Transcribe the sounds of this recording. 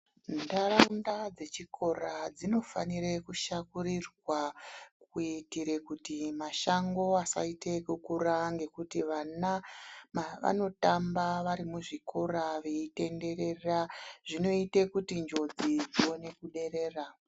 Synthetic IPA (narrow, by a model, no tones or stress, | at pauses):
ndaraundad͡ze̞t͡ʃikʰo̞rad͡zino̞fa̰nirekuʃakurirwakuitiɾe̞kutimaʃaŋɡo̞asa̰ite̞kukuraŋɡe̞kutiʋanamʋa̰no̞tambaʋaɾimuʐikʰo̞raʋeite̞nde̞ɾe̞raʐ̥ino̞itekutind͡ʒo̞d͡zid͡ziwo̞ne̞kuɗe̞ɾe̞ːra